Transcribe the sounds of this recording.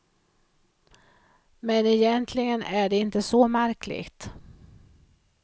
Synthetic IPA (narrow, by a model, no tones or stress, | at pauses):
mɛnɛjɛnt̪ʰlɪɡənʔæɖɛɪnt̪əsɔmæɾkʰlɪ̰ɡt̪